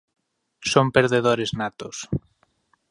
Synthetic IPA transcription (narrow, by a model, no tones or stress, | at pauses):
sompeɾðeðoɾeznat̪os